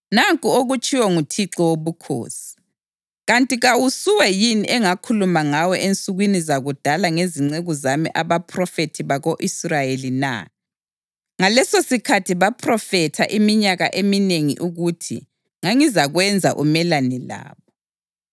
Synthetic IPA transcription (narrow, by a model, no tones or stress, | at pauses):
naŋkʼuoɣut͡ʃʼiwɔŋutʰiǁɔwoβukʰo̰ːsi̥ | ɣantʼiɣawusuwɛjiniʔɛŋakʰulumaŋawɔʔent͡sʼuɣwinizaɣud̥ʱalaŋeziŋ͡ǀeɣuzamḭʔaβapʰrɔfetʰiβaɣoʔisrajelina̰ | ŋalɛsosikʰatʰiβapʰrɔfɛtʰa̰ʔimiɲaɣaʔemineŋḭʔuɣutʰḭ | ŋaŋizaɣwɛnd͡zʱa̰ʔṵmɛlanɛla̰ːβɔ